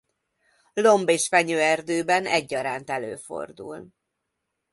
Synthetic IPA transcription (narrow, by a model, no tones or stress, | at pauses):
lo̞mbeːʃfɛɲøːɛrd̪øːbɛnɛɟːɒɾaːnt̪ɛlø̰ːfo̰rd̪ṵl